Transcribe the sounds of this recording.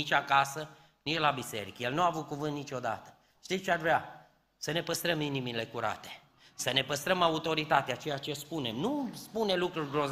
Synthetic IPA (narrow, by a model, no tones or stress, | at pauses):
it͡ʃʲakasə | nit͡ʃʲlabise̞̰ɾikəjelnuaːvut̪̚kuvɨnt̪nit͡ʃʲo̞d̪a̰t̪ə̥ | ʃt̪it͡ʃearvɾea | səne̞pəst̪ɾəminimile̞kuɾa̰t̪e̞̥ | səne̞pəst̪ɾəmaut̪o̞ɾit̪at̪eat͡ʃe̞jat͡ʃe̞spune̞mnuspune̞lukɾurʲɡɾo̞z